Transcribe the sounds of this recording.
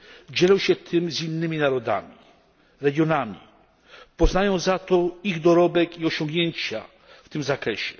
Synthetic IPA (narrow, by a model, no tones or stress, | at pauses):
d͡ʑɛlɔ̃w̃ɕɛt̪ʰɘmzinːɘmʲinaɾɔd̪a̰mʲi | ɾɛɡʲjɔnamʲḭ | pɔznajɔ̃w̃zat̪ɔiɣd̪ɔɾɔbɛkiɔɕɔ̃ŋɡɲeɲt͡ɕa | ft̪ɘmzakɾɛɕɛ̥